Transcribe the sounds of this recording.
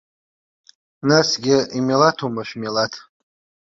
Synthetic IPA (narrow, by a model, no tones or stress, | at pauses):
nasɡʲɪimelatʰumaʃᶣmelatʰ